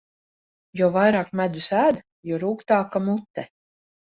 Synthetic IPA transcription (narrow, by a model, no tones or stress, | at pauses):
jɔvajɾaːkmæd̪usæːd̪ | jɔɾuːkt̪aːkamut̪ːɛ